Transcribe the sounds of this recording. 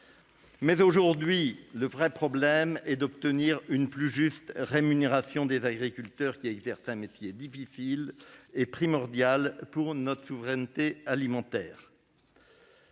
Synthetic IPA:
mɛzoʒuʁd̪ɥiləvʁɛpχɔblɛmɛd̪ɔp̚t̪əniʁynplyʒyst̪ʁemyneʁasjɔ̃d̪ezaɡʁikʲylt̪œʁkʲiɛɡzɛʁsɛ̃met̪jed̪ifisilepχimɔʁd̪jalpuʁnɔt̪χəsuvʁɛnt̪ealimɑ̃t̪ɛːʁ

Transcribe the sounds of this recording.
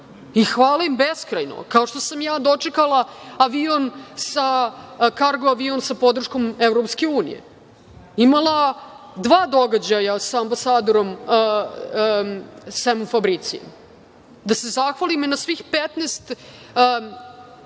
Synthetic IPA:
ixʋaːlaimbeskɾajno̰kaoʃt̪osamjaːd̪o̞t͡ʂekalˠaaʋionsakaɾɡoaʋionsapo̞d̪r̩ʃko̞mevɾopske̞uːnḭjḛ | imalˠa | d̪ʋaːd̪o̞ɡad͡ʑajasaːmbasaːd̪o̞ɾo̞m | semofabɾit̪siḛm | d̪ase̞zaxʋalimenasʋixpet̪nest̪ː

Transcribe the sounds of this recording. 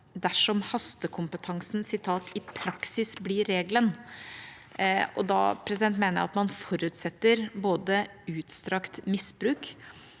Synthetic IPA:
d̪æʂɔmhɑst̪əkʰʊmpət̪ʰɑŋsnsɪt̪ʰɑːt̪ɪpʰɾɑksɪsblɪɾːeːɡlən | ʔɔd̪ɑ̰pʰɾɛs̬ɪd̪ɛnt̪meːnəɾɑ̰t̪mɑnfɔɾʉːt̪sɛt̪ːəɾboːd̪ə | ʉːt̪st̪ɾɑkt̪mɪsbɾʉːk

